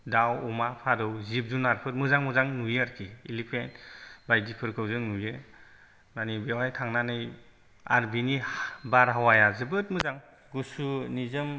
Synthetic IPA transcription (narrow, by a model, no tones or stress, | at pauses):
dawumapʰaɾɯwzip̚zunaɾpʰɯɾmɯzaŋmɯzaŋnujaɾkʰiilipʰentbajdipʰɯɾkʰɯwzɯŋnuje | manibewajtʰaŋnanɯj | aɾbinibaɾɦawajazɯbɯt̚mɯzaŋ | ɡusunizɯm